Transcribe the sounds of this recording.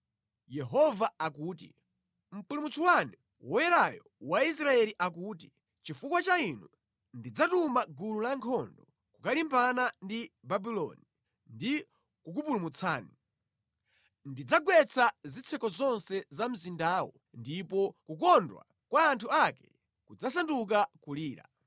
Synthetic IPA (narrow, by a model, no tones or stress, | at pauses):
jɛɦɔvaakuːt̬ḭ | m̩pulumut͡suwani | wɔjɛɾajɔ | wais̬ɾaɛliʔakuːt̬i | t͡ʃifukwat͡ʃainu | ndid͡zatumaɡululaŋkʰɔndɔ | kukalimpanandibabilɔ̰ni | ndi | kuk̬up̬ulumut͡sʰaːni | ndid͡zaɡwɛt͡sʰazit͡sʰɛkɔzɔnsɛzam̩zindaːwɔ̰ | ndipɔkuk̬ɔndwa̰ | kwaːntʰuakɛ̥ | kud͡zas̬anduk̬akuliːɾa̰